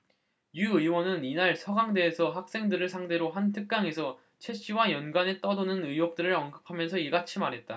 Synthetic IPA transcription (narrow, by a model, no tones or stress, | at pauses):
juɯiwʌnɯninaɭsʰʌɡaŋde̞ːsʰʌɦak̚s͈e̞ŋdɯɾɯɭsʰaŋde̞ɾoɦantʰɯk̚k͈aŋe̞sʰʌ | t͡ɕʰe̞ɕ͈iwajʌnɡanet͈ʌdonɯnɯjwok̚t͈ɯɾɯɾʌnɡɯp̚ʰamjʌnsʰʌiɡat͡ɕʰimaɾɦe̞t̚t͈a